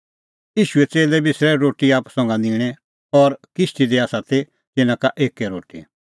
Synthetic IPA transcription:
jiːʃuɛt͡seːlɛbɪsɾɛɾoːʈiaːpsɐ̃ŋɡãnd̪iːɽ̃ɛ | ɔɾkɪʃʈ̪id̪eaːsat̪ʰe | d͡zɪnãkaʔeːkeɾoːʈḭ

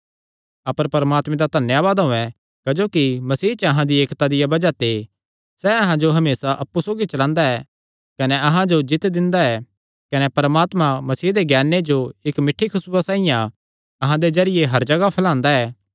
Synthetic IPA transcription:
ɐpəɾpɐɾmaːt̪mẽd̪ad̪ʱɐnjaʋaːd̪ɦʊ̃ɛ̃ | kɐd͡ʒoːkimɐsiːt͡ʃəɐɦãd̪ieːkt̪ad̪ɪjabɐd͡ʒat̪e | sɛɐɦãd͡ʒoɦɐmeːsaʔɐpːusoːɡit͡ʃɐlãːnd̪aɛ | kɐnɛɐɦãd͡ʒod͡ʒɪt̪d̪ɪ̃nd̪aɛ | kɐnɛpɐɾəmaːt̪mãmɐsiːɦd̪eɡɛːned͡ʒoɪkmɪʈʰːikʰʊsasãːijã | ɐɦãd̪ed͡ʒɐɾɪjeɦɐɾd͡ʒɐɡapʰɐlãːnd̪aɛː

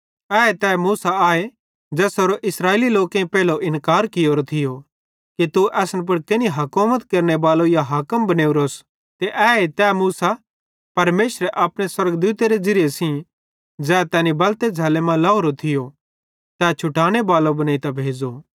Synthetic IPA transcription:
ɛːet̪ɛːmuːsaaːe | d͡ʒɛːsoːɾoʔɪsɾaːeːliloːkẽĩpɛːloʔɪnkaːɾkɪjoːɾot̪ʰɪjo | kit̪uʔɛːsnp̬ʊɽkeniɦɐkoːmət̪kɐɾnebaːlojaɦaːkəmbɐneːuɾoːs | t̪eʔɛːet̪ɛːmuːsa | pɐɾmeːʃɾeʔɐpɽ̃eswɐɾɡd̪uːt̪eɾed͡zɐɾɪjesĩ | d͡zɛːt̪ɛːnibɐlt̪ed͡zʱɐːlemãlɐːoːɾot̪ʰɪjo | t̪ɛːt͡ʃʰʊʈaːɽ̃ebaːlobɐnaːit̪abʱeːd͡zo

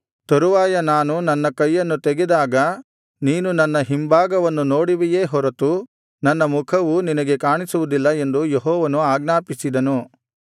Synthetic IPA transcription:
t̪oɾuʋaːjɐnaːnunɐnːɐkɐjːɐnːut̪eɡed̪aːɡɐ | niːnunɐnːɐɦimbʱaːɡɐʋɐnːuno̞ːɽiʋijeːɦɔɾɐt̪u | nɐnːɐmukʰɐʋuninɐɡekaːɳisuʋud̪ilːɐe̞nd̪ujeɦɔːʋɐnuaːɡnaːpisid̪ɐnu

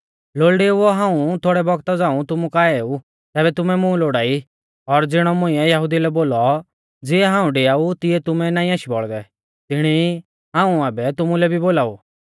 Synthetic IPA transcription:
loːɭɖeʋoɦãːũt̪ʰoːɽɛbɔɡt̪ɔd͡zãːũt̪ʊmukaːeːu | t̪ɛːbɛt̪ʊmɛmũloːɽaːi | ɔɾd͡zɪɽ̃ɔmʊ̃ɪ̃ɛ̃jɐɦʊd̪ilɛboːlɔ | d͡ziɛɦãːũɖeaːut̪ɪɛt̪ʊmɛnaːĩaʃibɔ̰ɭd̪ɛ | t̪ɪɽ̃i | ɦãːũaːbɛt̪ʊmulɛbʱiboːlaːṵ

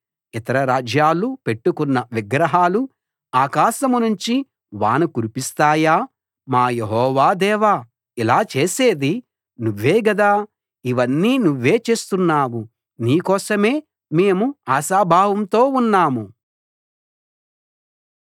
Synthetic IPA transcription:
it̪ɐɾɐɾaːd͡ʒjaːlupe̞ʈːukunːɐʋiɡɾɐɦaːlu | aːkaːʃɐmunuɲt͡ʃi | ʋa̰ːnukuɾipist̪aːjaː | maːjeɦɔːʋaːd̪ɛːʋaː | ilaːt͡ʃe̞ːse̞ːd̪i | nuʋːeːɡɐd̪aː | iʋɐnːiːnuʋːe̞ːt͡ʃe̞ːst̪unːaːwu | niːkɔːsɐme̞ː | me̞ːmuaːʃaːbʱaːʋɐmt̪o̞ːunːaːmu

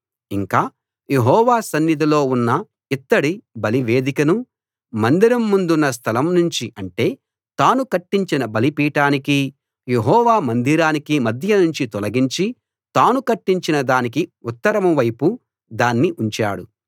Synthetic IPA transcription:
iŋkaː | je̞ɦɔːʋaːsɐnːid̪ʱilo̞ːunːɐ | it̪ːɐɽibɐliʋe̞ːd̪ikɐnu | mɐnd̪iɾɐmːund̪unːɐs̬t̪ʰɐlɐmnuɲt͡ʃiʔɐɳʈe̞ː | t̪aːnukɐʈːiɲt͡ʃinɐbɐlipiːʈaːniki | je̞ɦɔːʋaːmɐnd̪iɾaːnikimɐd̪ʱjɐnuɲt͡ʃit̪ɔlɐɡiɲt͡ʃi | t̪aːnukɐʈːiɲt͡ʃinɐd̪aːnikiut̪ːɐɾɐmɐʋɐjpu | d̪aːnːiʔuɲt͡ʃa̰ːɽṵ

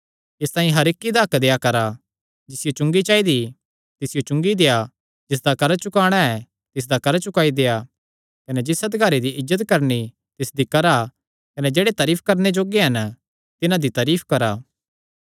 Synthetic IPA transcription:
ɪst̪ãːĩɦɐɾɪkːid̪akd̪eːjakɐɾa | d͡ʒɪsɪjot͡ʃʊ̃ŋɡit͡ʃaːid̪i | t̪ɪsɪjot͡ʃʊ̃ŋɡid̪eːa | d͡ʒɪs̬d̪akɐɾt͡ʃʊkaːɽ̃aɛ | t̪ɪs̬d̪akɐɾt͡ʃʊkaːid̪eːja | kɐnɛd͡ʒɪsɐt̪ɡɐɾed̪iʔɪzːət̪kɐɾni | t̪ɪsd̪ikɐɾa | kɐnɛd͡ʒeːɽet̪ɐːɾiːpʰkɐɾned͡ʒoːɡeɦɐn | t̪ɪnãd̪it̪ɐːɾiːpʰkɐɾaː

